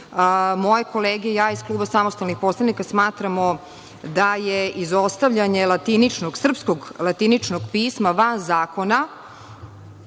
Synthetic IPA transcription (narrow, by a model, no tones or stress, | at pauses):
moje̞koleːɡejaːisklˠuːbasamost̪alnixpo̞slˠanikasmaːt̪ɾamo | d̪ajeizo̞st̪aʋʎaɲe̞lat̪init͡ʂnoɡsr̩pskoɡlˠat̪init͡ʃnoɡpiːsmaʋanzaːko̞na